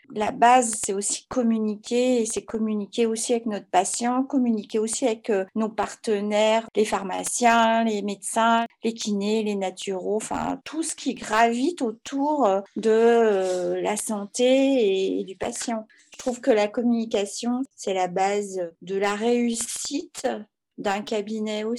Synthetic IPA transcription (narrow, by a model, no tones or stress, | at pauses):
labazsɛt̪osi̥kɔmynikʲeːsɛkɔmynikʲeosiavɛknɔt̪χpasjɑ̃kɔmynikʲeosiavɛkønopaʁt̪ənɛʁlefaʁma̰sjɛ̃lemed̪sɛ̃lekʲʰinelenat̪ʰyʁoɑ̃fɛ̰̃t̪ʰusə̥kʲiɡʁavit̪ot̪ʰuʁd̪ə | lasɑ̃t̪eː | d̪ypa̰sjɑ̃ | ʒə̥t̪χuvkəlakɔmynik̬ʲasjɔ̃sɛlabazd̪əlaʁeysit̪ | d̪ɛ̃kʲabinɛo